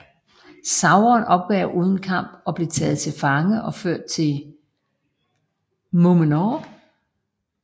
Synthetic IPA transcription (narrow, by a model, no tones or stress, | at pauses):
sɑ̈ʊɐːnʔɒ̽b̥̚ɡ̥ɛɐʊʔuːð̞ˠn̩kʰɑ̈m̰b̥ɒ̽b̥le̝t͡sʰɛ̰ːð̞̩ˠt͡sʰe̝lfɑ̈ŋəʔɒ̽føɐ̰d̥̚t͡sʰe̝l | momənɒ